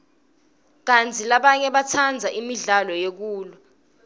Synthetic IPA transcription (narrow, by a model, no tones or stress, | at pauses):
k̬antʰilaɓaɲɛɓatʰand͡zʱaʔimiɮalɔjek̬uːlɔ